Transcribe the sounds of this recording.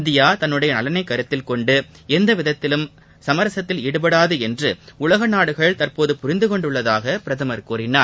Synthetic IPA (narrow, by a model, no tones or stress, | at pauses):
ɪnd̪ɪjaːt̪ɐnːɯɽɐjɐnɐlɐnɐɪkːɐɾɯt̪ːɪlkɔɳɖɯ | ɛnd̪ɐʋɪðɐt̪ːɪlɯm | sɐmɐɾɐsɐt̪ːɪlɪɽɯp̬ɐɽaːðɯɛndrɯʊlɐɣɐnaːɽɯɣɐɭt̪ɐrpoːðɯpʊɾɪnd̪ɯkɔɳɖɯɭːɐðaːɣɐpɪɾɐðɐmɐɾkuːɾɪnaːɾ